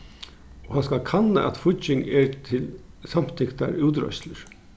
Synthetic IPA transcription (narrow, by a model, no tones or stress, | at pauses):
ɔhɑnskɑkʰɑnːa̰ʔɑ̰t̪fʊt͡ʃɪŋɛɹt̪ʰɪl | sɑm̥t̪ʰɪkt̪a̰ɾʉːt̪ɾœ̰ʃləɾ